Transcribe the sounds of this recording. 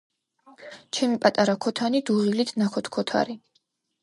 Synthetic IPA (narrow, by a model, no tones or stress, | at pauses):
t͡ʃʰɛmipʼat̪ʼaɾakʰɔt̪ʰanid̪uʁilit̪ʰnakʰɔt̪ʰkʰɔt̪ʰa̰ɾi